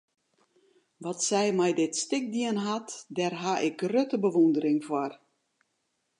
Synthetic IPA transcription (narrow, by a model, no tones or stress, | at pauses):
ʋɔtsɛjmɛjdɪtstɪk̚diənɦatdɛrɦaʔɪk̚røtəbəʋundəɾɪŋfwɔr